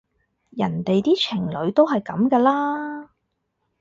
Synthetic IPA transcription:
jɐ˨˩nt̪e˨jt̪iː˥t͡ʃʰɪ˨˩ŋlɵ˨˧ɥt̪o˥wɦɐ˨jkɐ˨˧˥mkɛː˧laː˥

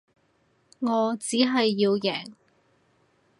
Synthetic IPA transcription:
ŋɔː˨˧t͡siː˨˥ɦɐ˨jːiː˧wjɛː˨˩ŋ

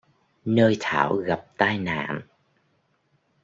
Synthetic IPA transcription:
nəː˧jt̪ʰaː˧˩wɣa˨˩p̚t̪aː˧jna̰ː˧˨n

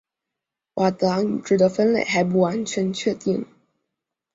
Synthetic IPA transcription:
wʔa˨˩t̪a˧˥n˨˩ʈ͡ʂɻ̩˨˩d̪ə˧˥fə˥nlḛ˨˩ɪxa˧˥ɪp̬u˥˩wa˧˥nt͡ɕʰɥɛ˧˥nt͡ɕʰɥɛ˥˧t̪i˥˩ŋ

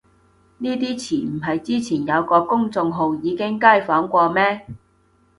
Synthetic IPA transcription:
niː˥t̪̬iː˥t͡sʰiː˨˩m̩˨˩ɦɐ˨jt͡siː˥t͡sʰiː˨˩njɐ˨˧wkɔː˧kʊ˥ŋt͡sʊ˧ŋɦo˨˧wjiː˨˧kɪ˥ŋkaː˥˩jfɔː˨˥ŋkʷɔː˧mɛː˥

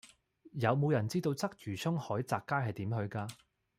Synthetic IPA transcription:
jɐ˨˧wmo˨˧wjɐ˨˩nt͡siː˥t̪o˧wt͡sɐ˥k̚jyː˨˩sʰɵ˥ŋhɔː˨˥jt͡saː˨kːaː˥jɦɐ˨jt̪iː˨˥mɦɵ˧ɥkaː˧

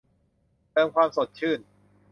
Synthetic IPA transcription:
t̪ɤː˧mkʰwaː˧mso˨˩t̪̚t͡ɕʰɯː˥˩n

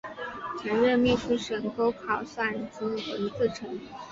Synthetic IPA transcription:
t͡ɕʰə˧˥ŋɻə˥˧mi˥˩t͡ɕʰi˥˩ʂə˨˩ŋko˥ʊkʰɑ˨˩ʊsa˥˩nt͡s̩˥wə˧˥t͡sɹ̩˥˩ʈ͡ʂʰɤ˧˥ŋ

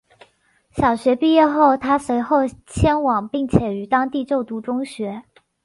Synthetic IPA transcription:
ɕjɑ˨˩ʊɕɥɛ˧˥pi˥˧jɛ˥˧xo˥˩ʊt̪ʰa˥swe˧˥ɪxo˥˩ʊt͡ɕʰjɛ˥nwɑ˨˩ŋpi˥˩ŋt͡ɕʰjɛ˨˩y˧˥t̪ɑ˥ŋt̪i˥˧t͡ɕjo˥˩ʊt̪u˧˥ʈ͡ʂʊ˥ŋɕɥɛ˧˥

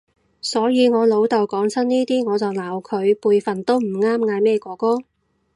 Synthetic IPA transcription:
sɔː˨˥jiː˨˧ŋɔː˨˧lo˨˧wt̪ɐ˨wkɔː˨˥ŋt͡sʰɐ˥nniː˥t̪iː˥ŋɔː˨˧t͡sɐ˨wlaː˨˩wkʰɵ˨˧ɥpuː˧jfɐ˨nt̪o˥wm̩˨˩ŋaː˥mŋaː˨˧jmɛː˥kɔː˨˥kɔː˥

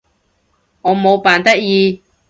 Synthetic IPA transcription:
ŋɔː˨˧mo˨˧wpaː˨nt̪ɐ˥k̚jiː˧

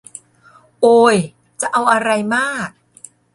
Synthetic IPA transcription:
ʔoː˧j | t͡ɕa˨˩ʔa˧wʔa˧ɾa˧jmaː˥˩k̚

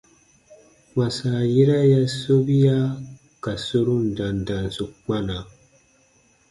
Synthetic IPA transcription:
wa˨sa˨ji˦ɾa˦ja˦so˦bi˦ja˦ | ka˨su˦ɾu˦n˨da˨n˨da˨n˨su˨k͡pa˦na˨

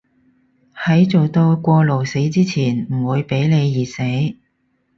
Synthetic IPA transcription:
hɐ˨˥jt͡so˨wt̪o˧wkʷɔː˧lo˨˩wse˨˥jt͡siː˥t͡sʰiː˨˩nm̩˨˩wuː˨˧jpe˨˥jle˨˧jjiː˨˩se˨˥j

